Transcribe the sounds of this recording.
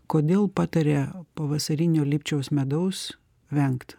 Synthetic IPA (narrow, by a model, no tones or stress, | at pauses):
koːd̪ʲeːlˠpɑːt̪ɐɾʲeːpɐʋɐsɐɾʲɪnʲoːlʲiːpʲt͡ʃʲɛʊsmʲɛd̪ɐʊs | ʋʲɛŋkt̪